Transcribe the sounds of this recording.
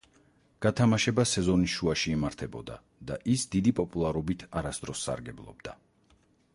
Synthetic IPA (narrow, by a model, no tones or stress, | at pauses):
ɡ̥at̪ʰamaʃɛbasɛzɔniʃuaʃiːmaɾt̪ʰɛbɔd̪a̰ | d̪aʔisd̪id̪ipʼɔpʼulˠaɾɔbit̪ʰaɾasd̪ɾɔsːa̰ɾɡɛblˠɔ̰b̚d̪̥a